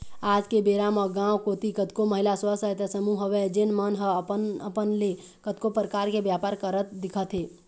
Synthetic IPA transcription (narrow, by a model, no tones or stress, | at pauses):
aːd͡ʒkebeɾamɔɡãwkoːt̪ikət̪koməɦɪlasəsət̪əsəmuɦəʋed͡ʒenmənɦəpəəpənle | kət̪kopɾəkaːɾkebjaːpaːɾkəɾət̪̚d̪ɪkʰət̪ɦeː